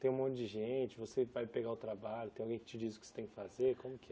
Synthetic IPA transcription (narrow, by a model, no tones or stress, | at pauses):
t̪ẽj̃ũmõnt͡ʃɪd͡ʒɪʒẽt͡ʃɪvosevajpeɡaʊt̪ɾabaʎʊt̪ẽj̃awɡẽj̃kɪt͡ʃɪd͡ʒizʊkɪse̥t̪ẽj̃kɪ̥fazeɾkõmʊkɪɛ